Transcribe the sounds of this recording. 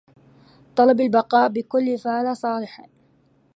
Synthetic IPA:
t̪ˤɑlɑbalbɑqɑːʔbɪkʊlːfaʕlasˤɑːlɪħ

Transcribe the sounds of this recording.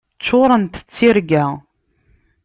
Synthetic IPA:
t͡sːoɾˤənt̪ə̥t͡sːiɾɡæ

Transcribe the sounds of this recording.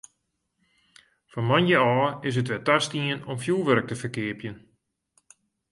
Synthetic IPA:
fɔnmanjəɔːɪs̬ətʋɛtastiənɔmfjulˠʋøɾək̚təfəkɪəpjən

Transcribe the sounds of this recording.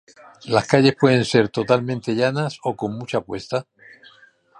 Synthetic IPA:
laskaʎe̞spwe̞ð̞ẽ̞nse̞ɾt̪o̞t̪almẽnt̪e̞ʝanaso̞ko̞ŋmut͡ʃapwe̞st̪a

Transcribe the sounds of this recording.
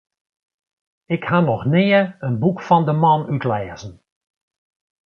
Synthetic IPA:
ɪkhanɔxnɪːəənbukfɔndəmɑnytlɛːzən̩

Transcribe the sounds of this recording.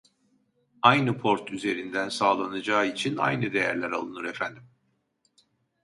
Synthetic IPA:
ajnɯpʰo̞ɾt̪ʰyze̞ɾind̪ænsaːlˠanad͡ʒaːit͡ʃʰina̰jnɯd̪e̞jæɾlʲæɾa̰lˠɯnɯɾefænd̪im

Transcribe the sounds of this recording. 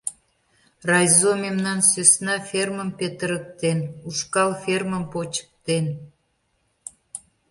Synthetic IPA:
rɑjzomemnɑnsøsnɑfʲerməmpet̪əɾək̚t̪enuʃkɑlferməmpot͡ɕə̥k̚t̪en

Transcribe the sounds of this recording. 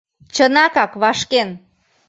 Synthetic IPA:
t͡ɕənɑkɑkβɑʃken

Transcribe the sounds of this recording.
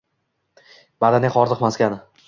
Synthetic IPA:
b̥ad̪aneχɒɾzɨqmaskʲanɪ

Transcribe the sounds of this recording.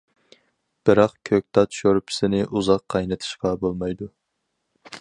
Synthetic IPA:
b̥ɨɾɑqkʲʰøk̚ʲt̪ʰɑt̪ʃoɾpʰɪ̥sɪnɪʔuzɑqʰːɑjnɨt̪ʰɨ̥ʃqɑbolˠmɑjd̪u

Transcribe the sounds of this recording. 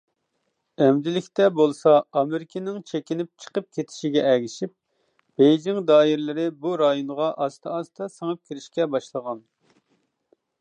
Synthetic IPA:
ɛmd̪ɪlɪkʲt̪ɛbolˠsɑɑmeɾɪkʲʰinɪŋt͡ʃʰekʲinɪp̚t͡ʃʰə̥qəp̚kʲʰet̪ʰɪ̥ʃiɡʲɛʔɛɡʲiʃip̚ | b̥ejd͡ʒɪŋd̪ɑːiɾɪlɪɾɪbuɾɑjonʁɑʔɑst̪ʰɑɑst̪ʰɑsəŋəp̚kʲʰiɾɪʃkʲɛbɑʃlˠəʁɑn

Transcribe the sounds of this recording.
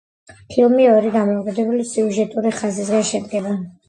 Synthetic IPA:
pʰilˠmiɔɾiɡ̪amɔːkʼɛd̪ɛbulisiuʒɛt̪ʼuɾiχazis̬ɡaʃɛd̪ɡɛba

